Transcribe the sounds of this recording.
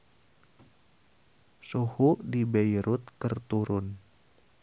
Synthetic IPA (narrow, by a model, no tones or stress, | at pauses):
suhudibeiɾʊt̪̚kərt̪uɾʊn